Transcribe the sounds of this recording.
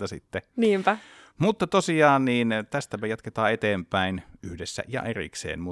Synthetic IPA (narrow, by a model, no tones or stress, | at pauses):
ɑsḭt̪ːeniːmpæ | mut̪ːɑt̪osiɑːnniːnt̪æst̪æpæjɑt̪ket̪ɑːet̪eːmpæinyhdesːæ̰ʔjɑ̰ʔerḭksḛːnmu